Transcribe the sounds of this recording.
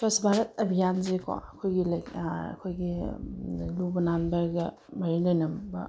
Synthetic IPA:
pɐsbʱaɾɐt̚ɐbʱijanzekɔ̰ɐkʰojɡilɐkɐ̰kʰojɡi | lubɐnanbɐɾɡɐ | mɐɾinojnɐmbɐ

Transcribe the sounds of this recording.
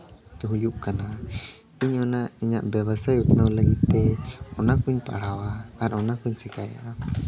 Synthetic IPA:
t̪uɦujuʔkana | iɲonaiɲaʔbeβasajut̪nalaɡit̪eonakuɲpa̰ɽawaːɾaonakuɲsikaja̰ʔa

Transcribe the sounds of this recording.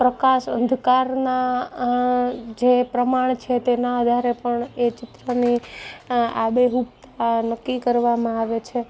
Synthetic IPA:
pɾəkaʃə̃nd̪ʱkaɾna | d͡ʒepɾəmaɳ̃t͡ʃʰet̪enaəd̪ʱaɾepəɳet͡ʃɪt̪ɾəni | a̰beɦupt̪anəkːikəɾʋamãaʋet͡ʃʰe

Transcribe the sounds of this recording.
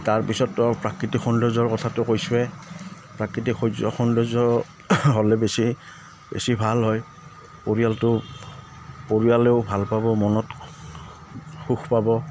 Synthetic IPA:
taɹpisɔtːapɹakɹitikxɔndɔzɔɹkɔtʰatʊkojsʊɛ | pɹakɹitikʰɔzɔ̰xɔndɔzɔ | ɦɔlɛbesi | bḛsibʱalɦɔj | poɹijaltʊ | poɹijaleʊbʱalpabɔmɔnɔt | xuxpabɔ

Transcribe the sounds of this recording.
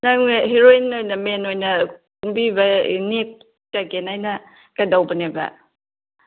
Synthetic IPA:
naŋɦeɾoinojnɐmenojnɐkumbibɐ̰nek̚ | takenajnɐ | kɐdawbɐnebɐ̰

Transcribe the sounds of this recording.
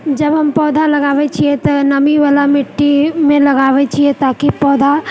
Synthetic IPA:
d͡ʒɐbɦɐmpɔːd̪ʱalɐɡaːʋet͡ʃʰiet̪onɐmiʋaːlamɪʈːimẽlɐɡaːʋet͡ʃʰiet̪aːkipɔːd̪ʱa

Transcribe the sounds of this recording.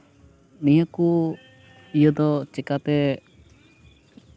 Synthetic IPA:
nijəku | ijəd̪ɔt͡ʃɛkat̪ɛ

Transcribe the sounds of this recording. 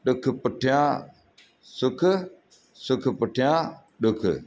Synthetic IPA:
ɗʊkʰpəʈʰjãː | sʊkʰ | sʊkʰpʊʈʰɪjãː | ɗʊkʰ

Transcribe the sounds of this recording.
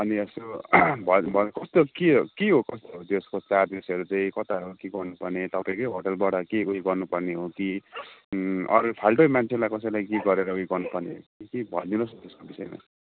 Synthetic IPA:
ʌniesobʱʌbʱʌkʌst̪okiokeɦokʌst̪oɦot̪eskot͡sad̪esʌɾut͡sʌĩkʌt̪aɦʌɾukeɡʌrnupʌrnet̪ʌpãĩkʌjɦoʈʌlbaʈʌkeuɦiɡʌrnupʌrneɦoki | ʌ̰ɾpʰalʈomant͡sʰelajkʌsʌjlajkeɡʌɾeɾʌuiɡʌrnupʌrnḛɦo̰kikebʱʌld̪unost̪eskobisʌjma̰

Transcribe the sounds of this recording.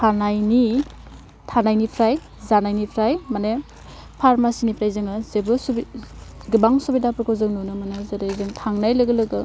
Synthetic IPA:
pʰanajni | tʰanajnipʰɾaj | zanajnipʰɾajmane | pʰaɾmasinipʰɾajzɯŋazebɯsbɡɯbaŋsubidapɾɔkʰozɯŋnunɯmanazeɾazɯŋtʰaŋnajlɐɡɯlɐɡɯ

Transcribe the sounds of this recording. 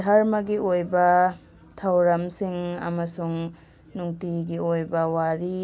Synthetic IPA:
dʱaɾmɐɡiojbɐ | tʰawɾɐmsiŋɐ̰mɐsuŋ | nuŋtiɡiojbɐwaɾi

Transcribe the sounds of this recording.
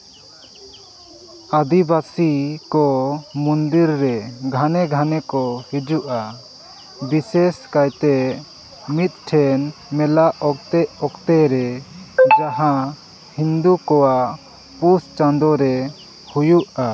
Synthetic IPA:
ad̪ibasikɔmund̪iɾːɛɡʱanɛɡʱanɛkɔhid͡ʒuʔa | biseskajt̪ɛ | mit̪̚ʈʰɛnmɛlaʔɔkt̪ɛɔkt̪ɛɾɛd͡ʒaɦã | hind̪ukɔwaʔ | pust͡ʃand̪ɔɾɛ | hujuʔa

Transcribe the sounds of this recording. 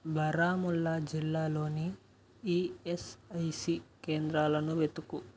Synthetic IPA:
bʱɐɾaːmulːɐd͡ʒilːaːlo̞ːni | iːesɐjsike̞ːnd̪ɾaːlɐnuʋet̪uku

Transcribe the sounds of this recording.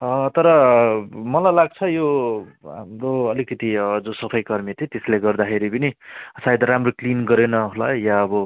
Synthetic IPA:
ʌt̪ʌɾʌ | mʌlajlaɡ̚t͡sʰʌjoɦa̰mroʌlikʌt̪iʌd͡zõsʌpʰʌjkʌrmet̪ʰĩt̪esleɡʌrd̪akʰeɾipʌnisajd̪ɾamroklinɡʌɾenʌɦolajaʌbʌ

